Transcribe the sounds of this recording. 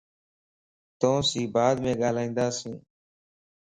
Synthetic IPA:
t̪õːsiːbaːd̪mẽːɠaːlaːĩːnd̪aːsĩː

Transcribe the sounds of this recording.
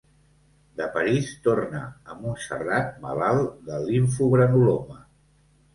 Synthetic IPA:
d̪əpəɾist̪ornəːmunsə̰rat̪̚mə̰lalˠd̪əliɱfuβɾənulomə

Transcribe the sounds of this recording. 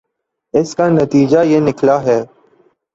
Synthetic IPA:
ɪskaːnət̪iːd͡ʒaːjeːnɪklaːɦɛː

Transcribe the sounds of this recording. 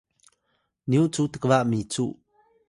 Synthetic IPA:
niwʔt͡sut̪əkəvaʔmit͡suʔ

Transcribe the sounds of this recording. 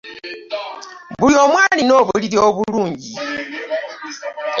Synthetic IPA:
βulo̞ːmwaːlino̞ːβuuliɾioβuluːɲɟi

